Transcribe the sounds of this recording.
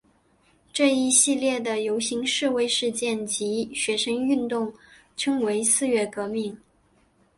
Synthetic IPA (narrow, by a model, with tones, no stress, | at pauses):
ʈ͡ʂɤ˥˧i˧˥˧ɕi˥˧ljɛ˥˩d̪ə˩jo˧˥ʊɕi˧˥ŋʂɻ̩˥˧we˥˧ɪʂɻ̩˥˧t͡ɕjɛ˥˩nt͡ɕi˧˥ɕɥɛ˧˥ʂə˥ŋy˥˧nt̪ʊ˥˩ŋ | t͡ɕʰu˥ŋwe˧˥ɪsɹ̩˥˧ɥɛ˥˩kɤ˧˥mi˥˩ŋ